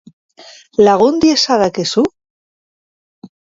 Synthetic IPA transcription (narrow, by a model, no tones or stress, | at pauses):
laɣond̪jesaðakesu